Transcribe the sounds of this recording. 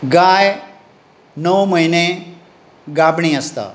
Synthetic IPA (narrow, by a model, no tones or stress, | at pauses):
ɡaːj | nəʋmɐɦine | ɡaːbɳ̃iɐst̪a̰ː